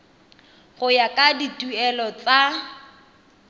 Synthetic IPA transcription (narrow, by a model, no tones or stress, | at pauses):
ɣʊjakʼaditʼuɛlɔt͡sa